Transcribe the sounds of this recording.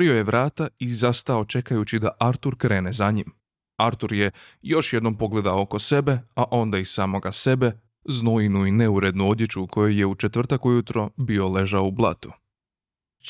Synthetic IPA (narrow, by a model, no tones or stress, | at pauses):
oɾio̞jeʋɾaːt̪aizast̪ao̞t͡ʃe̞kajut͡ɕid̪aʔaɾt̪uɾkɾe̞ːnezaɲim | aɾt̪uɾje̞jo̞ʃje̞d̪no̞mpo̞ɡle̞d̪aooko̞se̞be̞aʔo̞nd̪aisaːmo̞ɡase̞be̞ | znoinuine̞uɾe̞d̪nuo̞d̪jet͡ʃukʰo̞jo̞je̞ut͡ʃe̞t̪ʋr̩t̪akujut̪ɾo̞bio̞le̞ʒaoublˠa̰t̪u̥